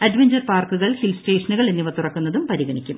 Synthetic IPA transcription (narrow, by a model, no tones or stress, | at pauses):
ɐɖʋeɲd͡ʑɐrpaːrkuɣɐɭhilste̞ːʂɐnuɣɐɭenːiʋɐt̪ːurɐkːunːɐðumpɐɾiɣɐɳikʲːum